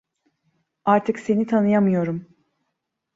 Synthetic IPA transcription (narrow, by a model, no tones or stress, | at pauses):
aɾt̪ʰɯkse̞nit̪ʰanɯjamɯjo̞ɾum